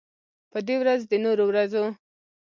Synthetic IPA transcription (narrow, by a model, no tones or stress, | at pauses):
pəd̪ewɾazd̪ənoɾowɾazo